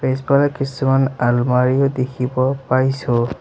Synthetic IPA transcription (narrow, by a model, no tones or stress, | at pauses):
pesbalakisumanalmaɹijɔdekʰibɔpaɹisʊ̃